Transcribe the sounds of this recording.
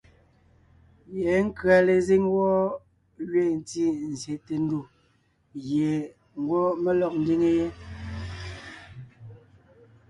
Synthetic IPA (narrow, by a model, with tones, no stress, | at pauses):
je˨˦ŋ̩˦kɰa˨le˨zi˦ŋwɔ˦ | ɥe˦˨n̩˨ti˦˨n̩˨zje˨te˨n̩˦du˦˨ | ɣje˨ | ŋ̩˨˦ɡwɔ˦me˦lɔ˦˨k̚n̩˦di˦ŋe˦je˦